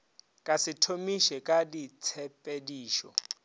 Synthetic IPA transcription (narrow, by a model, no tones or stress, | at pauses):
kʼasitʰomiʃɛkʼadit͡sʰɛpʼediːʃɔ̰